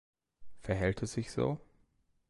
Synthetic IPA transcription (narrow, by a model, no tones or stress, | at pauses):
fɛɐɦɛlt̚ɛsɪçz̥o̰ː